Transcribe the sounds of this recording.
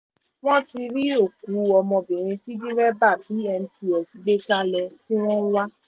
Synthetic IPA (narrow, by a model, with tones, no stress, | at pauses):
w̃ɔ̃˦ti˧ɾi˦o˦˨ku˨˦ɔ˧mɔ̃˧bĩ˨ɾ̃ĩ˧ti˦dĩ˦ɾɛ˦ba˦˨bi˨˦ɛ˧ñ̩˧˦ti˨ɔ˨si˨˦ɡ͡be˦sa˦lɛ˧ti˦w̃ɔ̃˦wa˦